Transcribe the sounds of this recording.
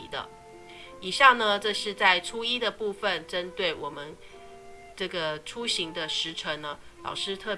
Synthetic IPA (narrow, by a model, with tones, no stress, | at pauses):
d̪ə̰˧˩ | i˨˩ɕjɑ˥˩ŋnə˧ʈ͡ʂɤ˥˧ʂɻ̩˥˧t͡sa˥˩ɪʈ͡ʂʰu˥i˥d̪ə˨pu˥˧fə˨nʈ͡ʂə˥nt̪we˥˩ɪwʔɔ˨˩mə˦n | ʈ͡ʂɤ˥˩ɡə˩ʈ͡ʂʰu˥ɕi˧˥ŋd̪ə˧ʂɻ̩˧˥ʈ͡ʂʰə˧˥ŋnə˧ | lɑ̰˨˩ʊʂɻ̩˥˧t̪ʰɤ˥˩